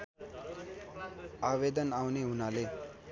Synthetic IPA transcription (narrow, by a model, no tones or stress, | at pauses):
aʋed̪ənawneɦunale